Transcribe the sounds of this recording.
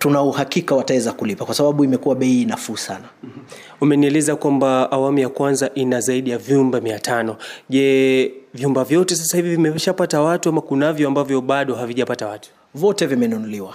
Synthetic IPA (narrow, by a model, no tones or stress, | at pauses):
tunauhakikawatawɛzakulipakwasaɓaɓuimɛkuwaɓɛiiːnafuːsana | umɛniulizakwambaːwamujakwanzaʔinazaiɗijavjumbamiatʰanɔʄɛvjumbavjɔtɛs̬asahivivimɛʃapatawatuamakunavjɔambavjɔɓaɗɔɦaviʄapatawatu̥ | vɔtɛvimɛnunuliwa